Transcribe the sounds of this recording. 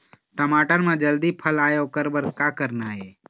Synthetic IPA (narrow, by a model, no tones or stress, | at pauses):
ʈəmaːʈəɾmẽd͡ʒəld̪ipʰəlaːeokəɾbəɾkakəɾnaːɦeː